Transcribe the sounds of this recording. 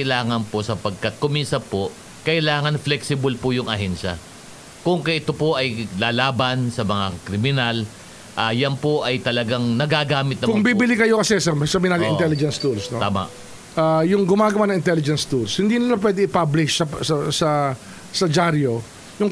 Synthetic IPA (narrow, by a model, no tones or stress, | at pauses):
ɪlaːŋɐnpo̞sɐpɐɡ̚kɐt̪̚kʊmisɐpo̞ | kɐʔɪlaːŋɐnflɛksɪbɐlpojʊŋʔɐɦɛnʃɐ̰ | kʊŋkɐjʔɪt̪opoʔɐjlaːlaːbɐnsɐmɐŋa̰kɾɪmɪnal | ʔajanpoʔɐjt̪ɐlɐɡaŋnɐɡaɡaːmɪt̪̚nɐkʊŋbibɪlɪkɐjo̞kɐsɛsɐkɾɪmɪnaːlɪɪ̰̃nt̪ɛlɪd͡ʒɛnst̪ulsnot̪aːma̰ʔ | ʔajʊŋɡʊmaːɡɐwanɐŋɪnt̪ɛlɪd͡ʒɛnst̪ulshɪnd̪inɐlap̬wɛd̪ɪʔɪpablɪʃɐsɐsɐ | sɐd͡ʒaɾjo | jʊŋ